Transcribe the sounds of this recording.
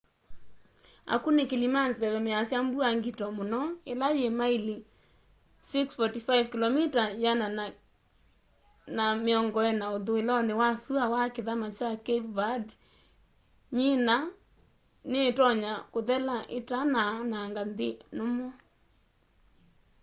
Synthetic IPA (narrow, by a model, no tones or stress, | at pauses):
a̰kunekelimanðɛwɛmeasjambuaŋɡitɔmonɔelajemaili | siksfɔtifajvkilɔmitajana | nameɔŋɡɔɛnaoðoelɔnewasuawakeðamat͡ʃakeβad | ɲena | netɔɲakoðɛlaʔetananaŋɡandenomɔ